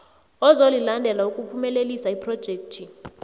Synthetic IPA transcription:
ɔzolilandʱɛlaukʼupʰumɛlelisaipʰrɔd̥ʒ̥ʱeːk̚tʰi

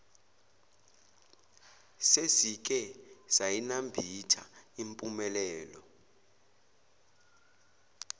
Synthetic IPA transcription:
sezik̬ʼɛz̥ajinambʱitʰaimpʼumɛlɛːlɔ

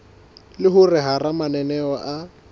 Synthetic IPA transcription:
lɪɦʊrɪɦaramanɛnɛɔʔa

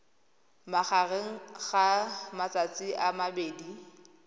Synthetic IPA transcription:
maχareŋ̩ɣamat͡sat͡sʼiʔamabeːdi

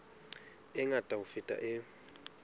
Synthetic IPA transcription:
ɪŋatʼaʊfɪtʼa̰ʔɪ

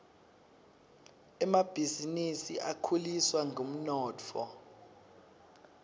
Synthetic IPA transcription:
ɛmab̥ʱizinisiʔakʰuliswaŋɡʱom̩nɔːt͡fʰɔ̰

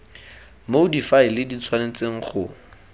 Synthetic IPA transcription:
modifailɪdit͡sʰwanet͡seŋ̩χʊ

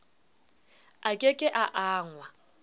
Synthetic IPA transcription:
akʼekʼɪʔaʔaːŋwa

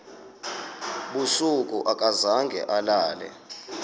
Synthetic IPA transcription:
ɓusuk̬ʼuʔak̬ʼazaŋɡʱɛ̰ʔalaːlɛ̰

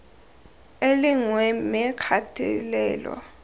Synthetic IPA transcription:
eliŋwɛmɛkʰatʰḭlɛːlɔ̰

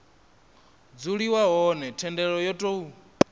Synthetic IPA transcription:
d͡zuɺiwaɦɔnɛtʰɛndɛɺɔjɔtʼo

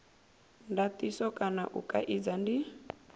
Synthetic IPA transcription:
ndat̪isɔkʼana̰ʔṵkʼa̰ʔid͡zandi

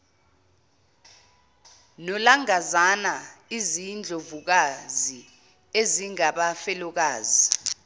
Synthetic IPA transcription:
nɔlaŋazanaizind͡ɮʱovuk̬azi | eziŋaɓafɛlɔk̬aːzi

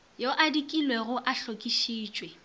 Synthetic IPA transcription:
joʔadikʼilweɣʊʔaɬokʼiʃiːt͡ʃʼwe

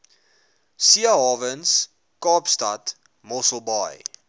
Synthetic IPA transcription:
siəɦɑːvəns | kɑːpstɐt | mɔsəlˠbɑ̰j

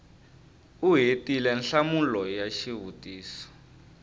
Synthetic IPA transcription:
uɦetilɛnɬamulɔjaʃiɦutʼiːsɔ̥

